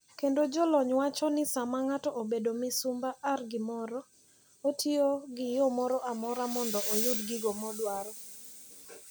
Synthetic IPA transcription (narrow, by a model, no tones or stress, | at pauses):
kendod͡ʒɔlɔɲwat͡ʃɔnɪsamaŋatɔʔobedomɪsʊmbaʔarɡɪmɔɾɔ | otʰioɡɪjomɔɾɔʔamɔɾamɔndɔʔojʊdɡɪɡomɔdwaɾɔ